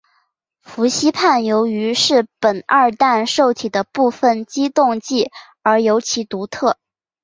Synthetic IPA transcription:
fu˧˥ɕi˥pʰa˥˩njo˧˥ʊy˧˥ʂɻ̩˥˩pə˨˩nə˞˥˧t̪a˥˧nʂo˥˩ʊt̪ʰi˨˩d̪ə˦pu˥˧fə˨˩nt͡ɕi˥t̪ʊ˥˧ŋt͡ɕi˥˩ | ə˞˧˥jo˧˥ʊt͡ɕʰi˧˥t̪u˧˥t̪ʰɤ˥˩

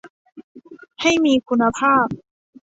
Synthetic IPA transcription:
ha˥˩jmiː˧kʰu˧nːa˧pʰaː˥˩p̚

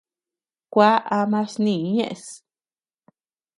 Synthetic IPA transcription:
kʷa˦ʔa˧mã˦snĩ˧˨˦ɲḛ̃˦ʔe˧s

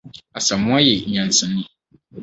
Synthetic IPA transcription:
a˨sa˨mʊ˦a˦je˨ɲã˨nsɨ̃˨˦nĩ˦

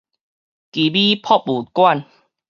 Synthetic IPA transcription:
ki˨bi˦pʰɔ˥˦p̚u˨˩kwa˥˨n

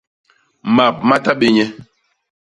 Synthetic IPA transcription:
ma˨p̚ma˦ta˦ɓe˦ɲɛ˦

